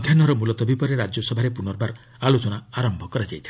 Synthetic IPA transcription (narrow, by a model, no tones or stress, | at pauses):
d̪ʱjanɔɾɔmulɔt̪ɔbipɔɾeɾad͡ʒjɔsɔbʱaɾepunɔɾbaɾ | alot͡ʃɔnaaɾɔmbʱɔkɔɾad͡ʒajt̪ʰi